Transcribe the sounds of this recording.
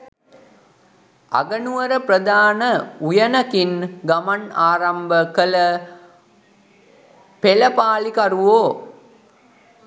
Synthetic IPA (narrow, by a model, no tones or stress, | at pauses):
a̰ɡənuʋəɾəprəd̪aːnəujənɐkinɡamanaːɾɐmbəkələ | peləpaːlikaɾuʋoː